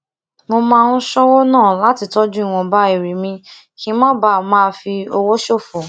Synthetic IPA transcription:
mo˧mãː˦˧ũ˦ʃɔ˦wɔ˦nãː˦˨la˦ti˧tɔ˦d͡ʒũ˦i˦˨w̃ɔ̃˧ba˦i˦˨ɾi˨mĩ˧ | kĩ˨˦mã˦ba˦˨mã˦˧fi˧o˧wo˦ʃo˦˨fo˨

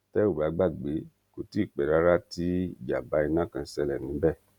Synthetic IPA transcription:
tɛ˦o˦˨ba˨˦˧ɡ͡ba˦˨ɡ͡be˨˦ | ko˨ti˦i˦˨k͡pɛ˨ɾa˧˦ɾa˦ti˦˨d͡ʒa˨ba˨˦i˧nã˦˨kã˧˦sɛ˧lɛ˨nĩ˨˦bɛ˦˨

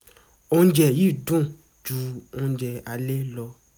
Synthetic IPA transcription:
õ˧˦d͡ʒɛ˨ji˦˨dũ˦˨ | d͡ʒu˧˦o˧˦d͡ʒɛ˧a˧le˦lɔ˧

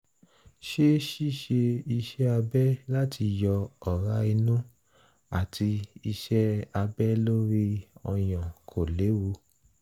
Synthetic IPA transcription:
ʃe˦ʃi˦˨ʃe˧i˧ʃɛ˦a˧bɛ˦la˦ti˧jɔ˧ɔ˨ɾa˦i˧nũ˦ | a˨tʰi˧i˧ʃɛ˦a˧bɛ˦lo˦ɾi˦ɔ˧j̃ɔ̃˨kʰo˨le˨˦wu˧

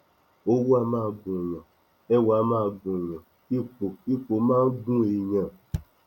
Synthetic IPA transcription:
o˦wu˦a˧mãː˦˨ɡ͡bũ˨ɲɔ̃˨ | ɛ˦wa˨˦mãː˦˨ɡ͡bũ˨ɲɔ̃˨ | i˦k͡po˨i˦k͡po˨mãː˦n̩˦ɡũ˦e˨ɲã˨

